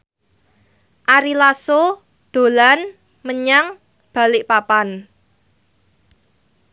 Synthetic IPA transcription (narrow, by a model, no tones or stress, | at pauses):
ʔaɾilaso | d̪̥o̤lan | məɲaŋ | b̥ä̤lɪʔpapan